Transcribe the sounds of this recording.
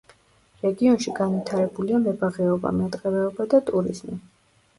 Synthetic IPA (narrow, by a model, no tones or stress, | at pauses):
ɾɛɡiɔnʃiɡanwit̪ʰaɾɛbuliamɛbaʁɛɔba̰mɛt̪ʼqʼɛɾɛɔbad̪at̪ʼuɾḭzmi